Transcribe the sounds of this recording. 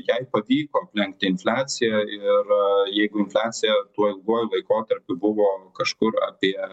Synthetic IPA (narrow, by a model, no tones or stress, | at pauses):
jɛɪpɐʋʲiːkoːɐpʲlʲɛŋkt̪ʲɪɪnfʲlʲæːt̪sʲɪjɛɪrjɛɪɡʊɪnfʲlʲæːt̪sʲɪjɛt̪uɔɪlˠɡuːjʊlˠɐɪkoːt̪ɐɾʲpʲʊbʊʋoːkɐʃkʊɾɐ̰pʲiɛ